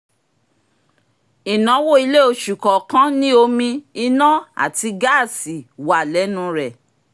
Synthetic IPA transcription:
i˨nã˨˦wo˦i˧le˦o˧ʃu˨kɔ˨kã˦nĩ˦o˧mĩ˧i˧nã˦a̰˦˨ti˧ɡa˦˨si˨wa˨lɛ˨˦nũ˦ɾɛ˨

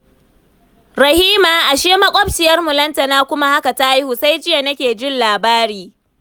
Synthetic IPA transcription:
ɾɐ˨hiː˦maː˨ʔa˨ʃeː˦mɐ˦kʷʼɔ˦bt͡ʃɪ˨jɐ˦rmʊ˨lɐ˦ntɐ˨naː˦kʷʊ˦ma˦ha˦ka˨ta˦ʔa˦jhu˨sa˦jd͡ʒɪ˦ja˨nɐ˦kʲeː˨d͡ʒɪ˦nlaː˨baː˦ɾiː˨

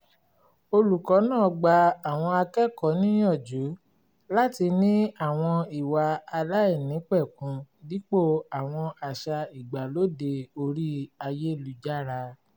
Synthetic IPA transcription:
o˧lu˨kɔ˨˦nãː˦˨ɡ͡ba˧a˨w̃ɔ̃˧a˧kɛ˦kɔ˨˦nĩ˦ɔ˦˨d͡ʒu˨˦ | la˦ti˧nĩ˦a˦˨w̃ɔ̃˧i˨wa˧a˧la˦ɛ˦˨nĩ˨˦k͡pɛ˦˨kũ˧di˦k͡po˦˨a˨w̃ɔ̃˧ʔa˧˨ʃa˧i˨ɡ͡ba˨lo˦de˧o˧ɾi˦a˧je˦lu˨d͡ʒa˦ɾa˧

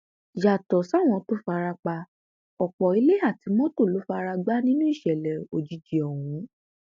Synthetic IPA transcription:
ja˨tɔ˨sa˦˨w̃ɔ̃˧to˦fa˧ɾa˧k͡pa˧ | ɔ˨k͡pɔ˨i˨˦le˦a˦˨ti˨˧˦mɔ̃˦to˦˨lo˨˦fa˧ɾa˧ɡ͡ba˦nĩ˦nũ˦i˦˨ʃɛ˨lɛ˨o˨d͡ʒi˨˧˦d͡ʒi˨ɔ˨w̃ũ˨˦

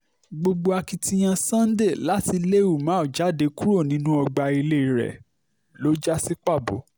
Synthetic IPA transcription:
ɡ͡bo˧ɡ͡bo˧a˧ki˧tĩ˧j̃ã˧sã˦n̩˦de˦˨la˦ti˧le˦u˦˨mãː˨˦ɔ˨d͡ʒa˨˦de˨˧˦ku˦ɾo˦˨nĩ˨˦nũ˦ɔ˧ɡ͡ba˧i˧le˦i˧ɾɛ̰˨ | lo˨˦d͡ʒa˦si˦k͡pa˦˨bo̰˨˦

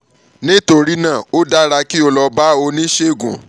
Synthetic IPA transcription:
nĩ˦to˧ɾi˦nã˦˨o˦da˦ɾa˧ki˦o˧lɔ˧ba˦o˧nĩ˦ʃe˦˨ɡṵ̃˨

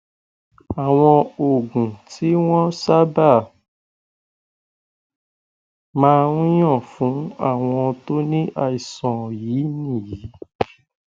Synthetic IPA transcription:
a˨w̃ɔ̃˧o˨ɡũ˨ti˨˦w̃ɔ̃˦sa˦ba˦˨ | mãː˧˦˧ũ˦j̃ɔ̃˦˨fũ˨˦a̰˦˨w̃ɔ̃˧to˦nĩ˦ʔa˧i˨sɔ̃˨jiː˨˦nĩ˦˨ji˨˦

